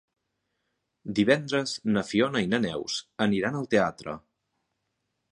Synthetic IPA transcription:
d̪iβɛnd̪ɾəznəfionəinənɛwsəniɾanəlˠt̪eat̪ɾə̰

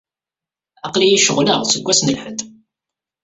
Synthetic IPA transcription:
ɑqlijiʃəʁləʁsəɡʷːæsnəlħət̪

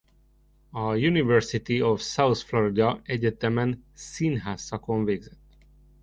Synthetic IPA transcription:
ɒjunivɛrsit̪iofsawsfloɾid̪ɒɛɟɛt̪ɛmɛnsinɦaːsːɒkoɱveːɡzɛt̪ː

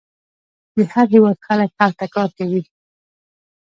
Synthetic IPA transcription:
d̪əhaɣiwaxalakhaɣt̪akɑɾkawi

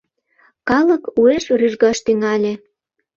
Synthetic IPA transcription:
kɑləkueʃryʒɣɑʃt̪yŋɑlʲĕ

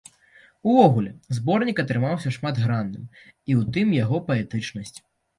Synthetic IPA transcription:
uvɔɣulʲɛzbɔrnʲikɐt̪ɾɨmawsʲɐʂmad̪ɣɾanːɨ̰m | iwt̪ɨmjaɣɔpɐɛt̪ɨt͡ʂnɐsʲt͡sʲ

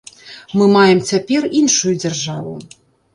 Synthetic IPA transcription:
mɨmajɛmt͡sʲapʲɛrinʂujud͡zʲɐrʐavṵ

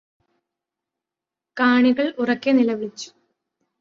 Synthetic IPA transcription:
kaːɳiɣɐɭurɐkːenilɐʋiɭit͡ɕːu̥

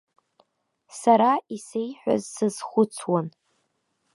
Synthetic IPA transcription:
saɾaise̞jħʷᶣa̰zsɨzχʷʊt͡sʰwan

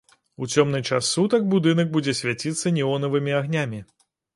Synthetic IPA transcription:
ut͡sʲɔmnɨt͡ʂasːut̪ɐɡ̚bud̪ɨnɐɡ̚bud͡zʲɛsʲvʲat͡sʲit̪sːɐnʲiɔnɐvɨmʲiaɣnʲamʲi

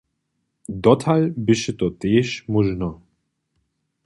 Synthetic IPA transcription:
d̪ɔt̪ʰalbɪʃet̪ɔt̪eːʃmɔʒnɔ

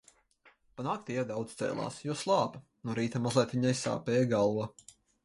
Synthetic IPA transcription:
panaːk̚t̪iɛɾd̪awd̪st̪ɛ̰ːlˠɑ̰ːsjuɔslˠɑːpa | nuɾiːt̪amazlˠɛːt̪vʲiɲajsa̰ːpɛːjɡalˠva

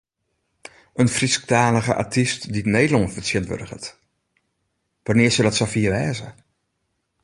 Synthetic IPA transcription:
ənfrisk̚taːləɣə̰ʔa̰tʰistdidnejdlɔnvərsjɪntʋø̰dəχət | ʋanɪːsədɔtsafiːʋɛːzə

